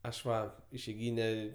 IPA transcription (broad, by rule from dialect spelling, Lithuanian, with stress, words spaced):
ˈɐʃ ˈʋɐ ɪʃʲɛɪˈɡʲiːnʲɛ